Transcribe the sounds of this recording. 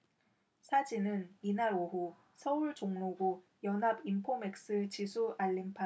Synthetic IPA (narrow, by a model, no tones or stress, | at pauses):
sʰad͡ʑinɯninaɾoɦu | sʰʌuɭt͡ɕoŋnoɡo | jʌnɦabimpʰome̞k̚s͈ɯɭt͡ɕisʰuʔaʎːimpʰa